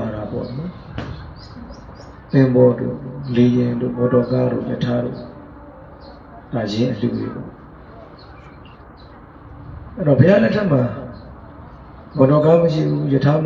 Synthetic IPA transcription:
aɾapɔ̰nɔ | tɪ̃mbɔdo̰lejɪ̃ndo̰mɔ̃tɔkaɾo̰jətʰaɾo̰ | tad͡ʑɪ̃ʔəl̥ṵɾḛpɔ̰ | ʔɛɾɔpʰəjalɛtʰːɛʔm̥a | mɔ̃tɔkaməʃḭbujətʰam

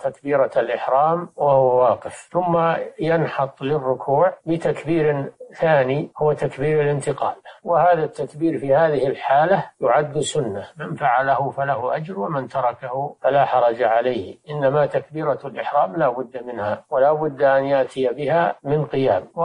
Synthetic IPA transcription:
t̪akbiːɾalʔɪħɾɑːmwahʊwawɑːqɪfθʊmːajanħɑt̪ˤlɪrːʊkʰuːʕbɪt̪akbiːɾθaːnihʊwat̪akbiːɾalɪnt̪ɪqɑːlwɪhaːðat̪ːakbiːɾfihaːðɪhɪlħaːlajʊʕad̪ːsʊnːamanfaʕalahʊfalahʊʔad͡ʒɾwamant̪ɑɾˤɑkahʊfalaħɑɾˤɑd͡ʒaʕalajhʔɪnːamat̪akbiːɾalʔɪħɾaːmlaːbʊd̪ːamɪnhawɪlaːbʊd̪ːʔanjaʔt̪ʰɪjabɪɦamɪnqɪjaːmw

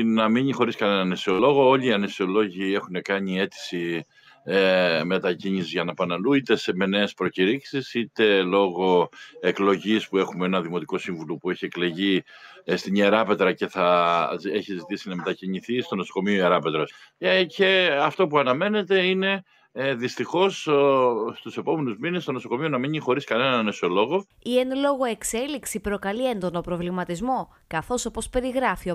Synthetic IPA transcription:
nɐmiɲixo̞ɾiskɐne̞nɐnesio̞lo̞ɣo̞o̞ʎiːɐnesio̞lo̞ʝie̞xune̞kɐɲie̞t̪i̥si | me̞t̪ɐciɲisizʝɐnɐpɐnɐluit̪e̞seme̞ne̞ːspɾo̞ciɾiksisit̪e̞lo̞ɣo̞e̞klo̞ʝispue̞xumeenɐðimo̞t̪iko̞siɱvulopue̞çie̞kle̞ʝi | st̪iɲeɾɐpe̞t̪ɾɐce̞θɐeçizit̪isinɐme̞t̪ɐciɲiθist̪o̞no̞so̞ko̞mioieɾɐpe̞t̪ɾɐsece̞ɐft̪o̞puɐnɐme̞ne̞t̪e̞ine̞ | ðist̪ixo̞s | st̪use̞po̞me̞nuzminest̪o̞no̞sokomionɐmiɲixo̞ɾiskɐne̞nɐneso̞lo̞ɣo̞ | ienlo̞ɣo̞e̞kse̞liksipɾo̞kɐlie̞nd̪o̞no̞pɾo̞vlimɐt̪izmo̞ | kɐθo̞so̞po̞spe̞ɾiɣɾɐfio

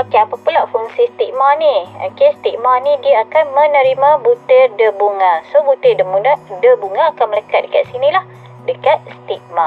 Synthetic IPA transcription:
okeapapulafuŋsisə̥t̪ik̚manio̰kest̪iʔmanidiaakanmə̃nəɾimãbut̪edəbuŋasobut̪ədəmunaʔdəbuŋaːkanmələkat̪̚dəkat̪̚sinĩlah | dəkat̪̚sə̥t̪ik̚ma

